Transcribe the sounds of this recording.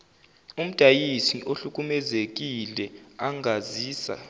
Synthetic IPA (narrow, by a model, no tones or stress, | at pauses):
um̩d̥ʱajisiʔoɬuk̬ʼumɛzek̬ilɛaŋaziːsa̰